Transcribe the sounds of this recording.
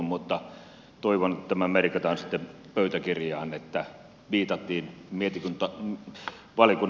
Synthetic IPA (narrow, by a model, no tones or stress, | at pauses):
mmut̪ːɑ | t̪oiʋont̪æmæmerikɑt̪ɑnsi̥t̪ːe | pøyt̪ækirjɑːnet̪ːæ | ʋiːt̪ɑt̪ːiːnmiet̪ikunt̪ɑ | ʋɑlikun